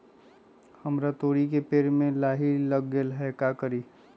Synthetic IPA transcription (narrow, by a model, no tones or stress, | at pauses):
həmɾat̪oːɽik̬epeːɾmẽlaːɦiləɡːelɦɛkakəɾiː